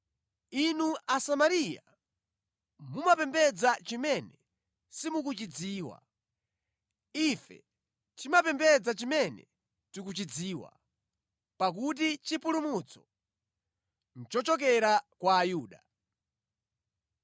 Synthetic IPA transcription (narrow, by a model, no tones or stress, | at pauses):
inuasamaɾija̰ | mumapɛmbɛd͡zat͡ʃimɛnɛ | simukut͡ʃid͡ziːwa̰ | ifɛ̰ | tʰimapɛmbɛd͡zat͡ʃimɛnɛ̰ | tik̬ut͡ʃid͡ziːwa̰ | pak̬ut̬it͡ʃipulumut͡sʰɔ̥ | n̩t͡ʃɔt͡ʃɔk̬ɛɾakwaːjuːɗa